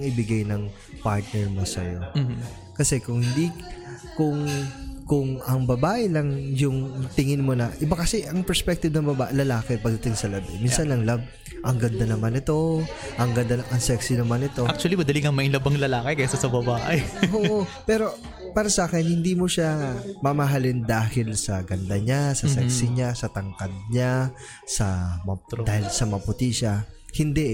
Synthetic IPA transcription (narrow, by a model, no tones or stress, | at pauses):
ɐŋʔɪbɪɡajnɐŋ | paɹt̪̚nɛɹmɐsɐ̰jo̰mː | kɐsɛkʊŋhɪnd̪ikʊŋkʊŋɐŋbɐbaːʔɛlɐŋjʊŋt̪ɪŋɪnmo̞nɐʔɪbakɐsɛʔɐŋpɛɹspɛk̚t̪ɪb̚nɐŋbɐbaʔlɐlaːkɛpɐɡd̪ɐt̪ɪŋsɐlɐbɪ̰minsɐnɐŋlɐb̚ | ʔɐŋɡɐnd̪ɐnɐmanɪt̪o̞ | ʔɐŋɡɐnd̪anɐʔɐŋsɛksɪnɐmanɪt̪oʔak̚t͡ʃʊɐlimɐd̪ɐliŋɐŋmɐʔŋlɐbɐŋlɐlaːkɪkɐjsɐsɐbɐbaːʔɪoːʔopɛːɾo̞ | paːɾɐsaːkɛnhɪnd̪iːmoʃamɐmɐɦalɪnd̪aːhɪlsɐɡɐnd̪ɐɲasɐsɛksɪɲasɐt̪ɐŋkɐd̪̚ɲa | sɐmɐdaːhɪlsɐmɐpʊt̪iʃahɪnd̪ɛʔ